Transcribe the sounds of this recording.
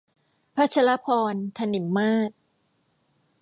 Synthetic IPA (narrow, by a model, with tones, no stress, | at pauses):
pʰa˦˥t͡ɕʰa˧la˦˥pʰɔː˧nt̪ʰa˧ni˩˦mːaː˥˩t̪̚